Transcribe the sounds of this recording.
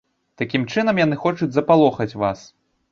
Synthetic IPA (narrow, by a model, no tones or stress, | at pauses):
t̪akʲimt͡ʂɨnɐmjanɨxɔt͡ʂud͡zʲzɐpalˠɔxɐt͡sʲvas